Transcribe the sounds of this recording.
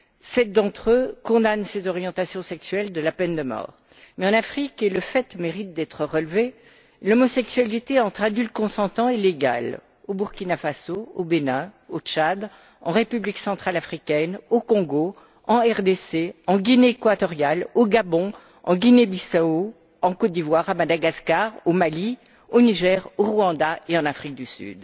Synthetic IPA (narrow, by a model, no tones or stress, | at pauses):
sɛt̪̚d̪ɑ̃t̪χøkɔ̃d̪ansezɔʁjɑ̃t̪asjɔ̃sɛksɥɛld̪əlapɛnd̪əmɔ̰ːʁ | mɛɑ̃nafχikeləfɛt̪meʁit̪̚d̪ɛt̪χəʁəlve | lɔmɔsɛksɥalit̪eɑ̃t̪χad̪ylt̪̚kɔ̃sɑ̃t̪ɑ̃eleɡa̰l | obuʁkʲinafasoobenɛ̃ot͡ʃad̪ | ɑ̰̃ʁepybliksɑ̃t̪χalafχikʲɛnokɔ̃ɡo | ɑ̃ɛʁd̪eseɑ̃ɡʲineːkwat̪ɔʁjaloɡabɔ̃ | ɑ̰̃ɡʲinebisao | ɑ̃kot̪̚d̪ivwaʁamad̪aɡaskaʁomali | oniʒɛʁoʁwɑ̃d̪aeɑ̃nafχik̚d̪ysy̰d̪